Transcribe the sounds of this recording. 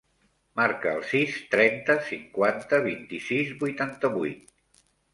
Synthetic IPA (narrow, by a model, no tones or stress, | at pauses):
maɾkə̰ːlˠsist̪ɾɛnt̪əsiŋkwant̪əβint̪isizbujt̪ant̪əβujt̪̚